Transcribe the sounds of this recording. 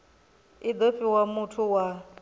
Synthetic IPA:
id̪oɸiwamutʰuwa

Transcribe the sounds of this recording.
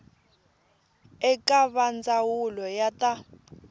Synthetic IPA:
ɛkaβand͡zawulɔjata

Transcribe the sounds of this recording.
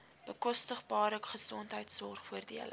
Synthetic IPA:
b̥əkɔstəχbɑːrəkχəsɔntɦəjtsɔrχfuərdiələ

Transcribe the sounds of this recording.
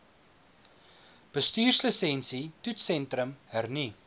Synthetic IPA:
b̥əstyːrsləsɛnsitutsɛntrəmhərni

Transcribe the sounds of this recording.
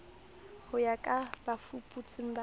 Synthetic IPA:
hʊjakʼabafupʼut͡sʼɪm̩ba

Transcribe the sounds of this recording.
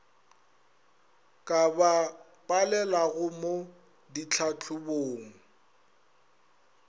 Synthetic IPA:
kʼaba | pʼalɛlaɣʊmo | dit͡ɬʰat͡ɬʰʊboːŋ̩

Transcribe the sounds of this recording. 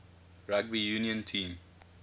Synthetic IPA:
ɹaɡ̚bijuːniə̃ntʰĩːm

